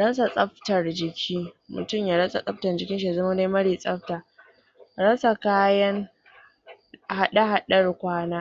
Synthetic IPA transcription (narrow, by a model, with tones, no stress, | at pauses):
ɽɐ˦sa˨sʼɐ˦ɸtɐ˨rd͡ʒɪ˨kʲʰiː˦mʊ̰˨tʊ˦˨mjaː˨ɽɐ˦sʼa̰˨sʼɐ˦ɸ̚tɐ˨rd͡ʒɪ˨kʲɪ˦ʃi˨ja˨zɐ˦ma˦nda˦mɐ˦ɽiː˨sʼɐ˦ɸtaː˨ | ɽɐ˦sa˨kaː˦jɐ˦ŋ | ha˦ɗa˦ɦa˦ɗɐ˦rkʷaː˦naː˦